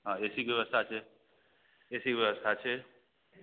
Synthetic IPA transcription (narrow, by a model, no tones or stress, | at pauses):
ɦãesikjəʋəst̪ʰat͡ʃʰe | esikʋjeʋəst̪ʰat͡ʃʰe